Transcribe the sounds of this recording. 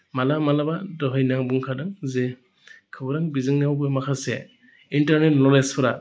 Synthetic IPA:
malamalabadɔɦɯjnaŋbuŋkʰadaŋzɛ | kʰɯbɔɾaŋbizɯŋnawbumakʰasɛ | intaɾnetnɔlespʰɔɾa

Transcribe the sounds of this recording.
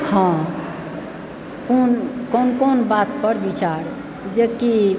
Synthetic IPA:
hã | konkonkonbat̪pəɾbit͡ʃaɾ | d͡ʒeki

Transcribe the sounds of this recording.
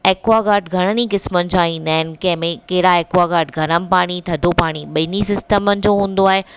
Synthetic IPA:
eːkwaɡaːɾʈɡʱɐɽ̃ənikɪsmənɪ̆d͡ʑãːĩːnd̪aːɦɪnɪ̆kɐ̃ɦɪ̃mẽkɐɦɪɽaeːkwaɡaːɾʈ̚ɡʱɐɾənɪ̆paːɽ̃it̪ʰɐd̪ʱopaːɽ̃iɓɐɪnisɪsʈəmənɪ̆d͡ʑoːɦũːn̆d̪oaːɦeː

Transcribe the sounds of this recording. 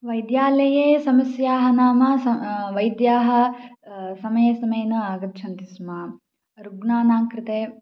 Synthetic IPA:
ʋɐjd̪jaːlɐjeːsɐmɐsjaːɦɐnaːmɐɐʋɐjd̪jaːɦɐ̆ | sɐmɐjɐsɐmɐjɐnuaːɡɐtt͡ʃʰɐnt̪ismaː | ɾuɡnaːnaːŋkɾɪt̪eː

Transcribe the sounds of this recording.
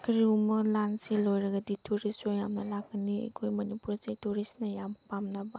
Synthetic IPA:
kʰɾiumɐlanselojɾɐɡɐditʰuɾisojamnɐlaɡɡɐniḛkʰojmɐnipuɾzetuɾisnɐjampamnɐba

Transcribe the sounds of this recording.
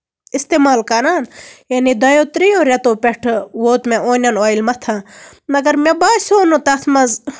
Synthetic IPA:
ist̪eːmaːlkɐɾaːnjɐnid̪ɐjoːt̪ɾijoːɾʲɐt̪oːpʲeʈʰʋoːt̪mẽʔoːnʲɐnaːilmɐt̪ʰãː | mɐɡɐɾmebaːsoːnõt̪ɐt̪ʰmɐz

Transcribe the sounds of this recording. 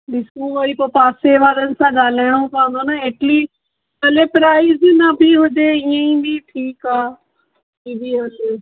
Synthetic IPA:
ɗɪskũɦoipopaːseʋaːɾənɪ̆sãɠaːl̤aːɪɽ̃opãːə̃nd̪onaeːʈli | ɐlepɾaːɪznɐbʱiɦʊd͡ʑeiə̃ĩbʱiʈʰiːkaː | ibʱiɦɐle

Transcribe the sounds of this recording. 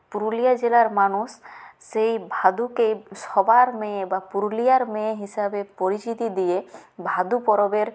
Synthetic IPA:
puɾulijad͡ʒelaɾmanusːejbʱad̪ukejsɔbaɾmebapuɾulijaɾmẽɦisabepɔɾit͡ʃit̪id̪ijebʱad̪upɔɾɔbeɾ

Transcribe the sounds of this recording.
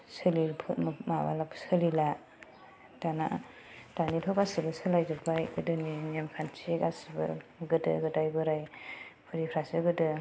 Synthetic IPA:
sɯlilpʰɯtmmaba̰lapʰsɯlila | dana̰ | d̥anitʰɔkasɯbɯsɯlajzɯpʰajɯdɯninemkʰant͡ʃʰiekasibɯ̰ɡɯdɯ̰ɡɯdajbɯɾajpʰuɾipʰɾasɯɡɯdɯ

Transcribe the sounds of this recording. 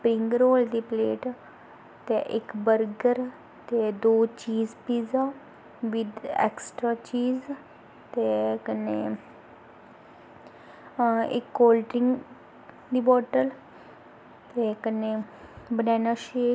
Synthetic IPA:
spɾiŋɡɾoːld̪ipleːʈ | t̪ɛʔekbəɾɡəɾ | t̪ed̪oːt͡ʃiːzpiːd͡za | ʋid̪ḛksʈɾat͡ʃiːz | t̪ekəne | ḛkːoːlʈɾiŋɡ | d̪ibɔːʈəl | t̪ekənebənɛnaʃe

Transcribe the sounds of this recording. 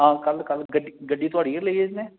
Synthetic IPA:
ɦãːkəlkəlɡəɖiɡəɖːiːt̪ʊaːɽiːɛləiɛd͡ʒnẽː

